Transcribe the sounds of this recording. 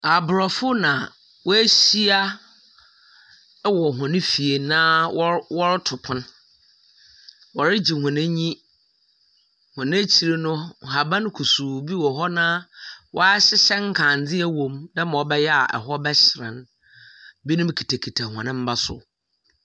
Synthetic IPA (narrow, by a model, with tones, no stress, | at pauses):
a˨bʊ˨ɾɔ˨fʊ˦nã˨ | wɔ˦æ˦ɕi˦a˦ | wɔ˨ɦɔ̃˨nɪ̃˦fi˨e˨nãː˦wɔ˦ɾtʰʊ˨pʰʊ̃˦n | wɔ˨ɾɪ˦d͡ʑi˨hʊ̃˨nɛ̃˦ɲĩ˦ | hɔ̃˨nã˦t͡ɕʰi˨ɾe˦nʊ̃˦˨ɦa˨bã˦n˦kʰu˨suː˨bi˦wɔ˨ɦɔ˦nã˦wʔɔ̰˦a˦ɕɪ˦ɕɛ˦ŋ̩˦kʰã˨n˨d͡zɪ˦æ˨wõ˨mnã˦mã˨ɔ˦bɛ˦jɛ˦a̰˨ʔɛ̰˨ɦɔ˦bɛ˦ɕɪ˨ɾɪ̰̃˨n | bi˦nʊ̃˦m˦kʰi̥˨tʰa˨kʰi˨tʰa˨hɔ̰̃˨nɪ̃˦m̩˦ba˦sʊ̰˨